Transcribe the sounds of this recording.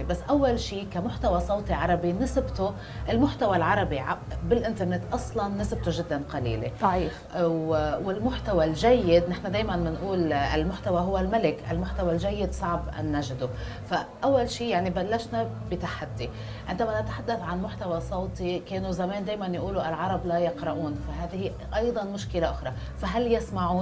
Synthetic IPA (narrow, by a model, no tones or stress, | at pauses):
basːʔawːalʃiːkamʊħt̪awasˤɑwt̪iʕɑɾˤɑbinɪsbt̪ʊ | ʔɪlmʊħt̪awalʕɑɾˤɑbiʕabɪlʔɪnt̪ɑɾnet̪ʔɑsˤlɑnːɪsb̚t̪uʒɪd̪ːanqɑlḭːlḛˤɑʕiː | wɪlmʊħt̪awalʒajːɪd̪nɪħnad̪eːjmanmɪnʔuːlɪ̰lmʊħt̪awaɦʊwːalmalɪkʔalmʊħt̪awalʒajːɪd̪sˤɑʕbʔa̰nːaʒd̪u | faʔawːalʃiːjaʕnibalːaʃna | bɪt̪aħad̪ːi | ʕʔɪnd̪amanat̪ḁħad̪ːaθʕanmʊħt̪awasˤɑwt̪ˤikeːnuzameːnd̪eːjmanjʔuːluʔalʕɑɾˤɑblajɪqɾɑʔuːnfaɦaːðɪhi | ʔɑjd̪ˤɑnmʊʃkɪlaʔʊxɾˤɑ | faɦaljɪsmaʕuːn